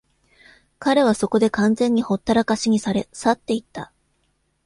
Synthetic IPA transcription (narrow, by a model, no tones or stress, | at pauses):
kaɾe̞β̞aso̞ko̞d̪e̞kãnd͡zẽ̞ɲ̟ːiho̞t̪ːaɾakaɕiɲ̟isaɾesat̪ːe̞it̪ːa